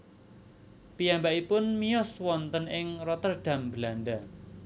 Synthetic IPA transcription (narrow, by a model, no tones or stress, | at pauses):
pijambaʔipʊnmijɔswɔnt̪ənɪŋrɔt̪ərɖ̪̥ä̤mbəlanɖa